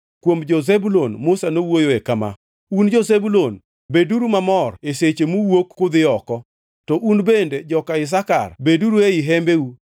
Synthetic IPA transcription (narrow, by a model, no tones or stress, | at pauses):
kwomd͡ʒozebulonmʊsanowojoekama̰ | und͡ʒozebulon | beduɾumamɔreset͡ʃemuwokːʊd̪ɪɔkɔ | tɔʔunbended͡ʒɔkaɪs̬aka̰rbeduɾueɪɦɛmbeu